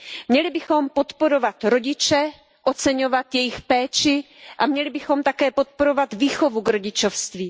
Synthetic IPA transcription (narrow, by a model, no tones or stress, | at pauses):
mɲɛlɪbɪxo̞mpo̞t̪po̞ɾovat̪ɾo̞ɟɪt͡ʃɛ | ʔo̞t͡sɛɲo̞vat̪jɛjɪxpɛːt͡ʃɪ | ʔamɲɛlɪbɪxo̞mt̪akɛːpo̞t̪̚po̞ɾo̞vat̪viːxo̞vuɡɾo̞ɟɪt͡ʃofst̪viː